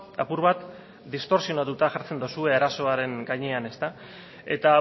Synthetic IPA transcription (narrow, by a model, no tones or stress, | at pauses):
apuɾβat̪ | d̪ist̪o̞ɾsio̞nat̪ut̪aʝaɾt͡se̞nd̪osue̞aɾaso̞aɾe̞ŋɡajɲeane̞st̪a | e̞̰t̪a